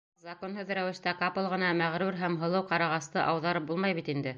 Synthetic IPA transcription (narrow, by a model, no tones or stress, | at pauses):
zɐkonɦɤðɾæwɘ̆ʃt̪ækɑpɤ̆lˠʁɤ̆nɑmæʁɾʉɾɦæmɦɤ̆lˠɤwqɑɾɑʁɑst̪ɤʔɑwðɑɾɤp̚bulˠmɑjβit̪ind̪ɘ